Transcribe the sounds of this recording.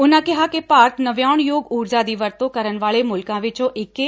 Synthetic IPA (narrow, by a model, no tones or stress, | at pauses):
ʊnãkɪɦakepaːɾt̪nɐʋjaːɽ̃joːɡuːɾd͡ʒad̪iʋɐɾt̪õkɐɾənʋaːɭemʊlkãʋɪt͡ʃõʔɪke